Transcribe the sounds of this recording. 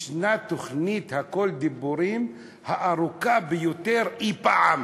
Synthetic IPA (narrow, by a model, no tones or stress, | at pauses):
ʃnat̪oχnit̪hakold̪ibuɾim | haʔaʁukabejot̪eʁipaʕam